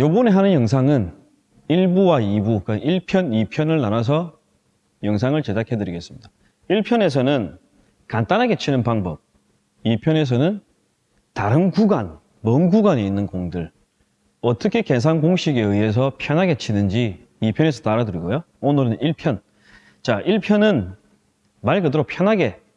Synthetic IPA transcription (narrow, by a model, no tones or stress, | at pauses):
jobʌneɦanɯnjʌŋs̬ʰaŋɯn | iɭbuwaibukɯiɭpʰjʌnipʰjʌnɯɭnanas̬ʰʌ | jʌŋs̬ʰaŋɯɭt͡ɕe̞dakʰe̞dɯɾiɡe̞s͈ɯmɲid̥a | iɭpʰjʌne̞s̬ʰʌnɯn | kant͈anɦaɡe̞t͡ɕʰinɯnpaŋbʌb̚ | ipʰjʌne̞s̬ʰʌnɯn | taɾɯnɡuɡan | mʌnɡuɡaɲeinːɯnkoŋdɯɭ | ʌt͈ʌkʰe̞ke̞sʰanɡoŋɕʰiɡe̞ɯie̞s̬ʰʌpʰjʌnɦaɡe̞t͡ɕʰinɯnd͡ʑi | ipʰjʌne̞s̬ʰʌt͈aɾaduɾiɡojo | onɯɾɯniɭpʰjʌn | t͡ɕaʔiɭpʰjʌnɯn | maɭkɯdɯɾopʰjʌnɦaɡe̞